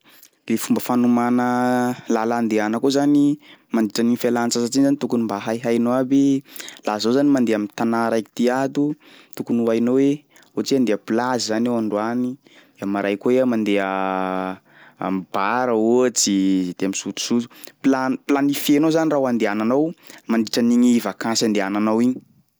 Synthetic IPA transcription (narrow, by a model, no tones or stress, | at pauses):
lefumbəfanumanəlaland̪eanəkozanimand̪iʈ͡ʂaninfalant͡sasaʈ͡ʂinzanit̪ukunimbaɦajɦajnoabelazozanimand̪eamint̪anaɾajki̥t̪iat̪u | t̪ukunuajnowe | ot͡siand̪eəplazizanewaɳɖ͡ʐuani | d̪eamaɾʔajkoweamand̪eə | mbaɾəot͡sid̪̥eamisut̪u̥suzu̥planplanifienozanirawand̪eananawmand̪iʈ͡ʂaniɲivakãsand̪eananawiɲi̥